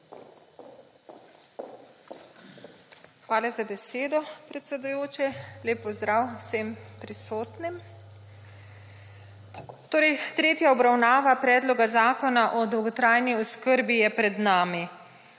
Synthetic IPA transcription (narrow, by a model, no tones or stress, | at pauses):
xʋaːlɛzabɛseːd̪ɔpɾɛt̪sɛd̪ujoːt͡ʃɛleːpːɔzd̪ɾawsempɾisoːt̪nim | t̪oːɾɛjt̪ɾeːt̪jaɔbɾawnaːʋapɾɛːd̪lɔɡazaːkɔnaʔɔd̪ɔwɡɔt̪ɾaːjniɔskəɾbijɛpɾɛd̪naːmi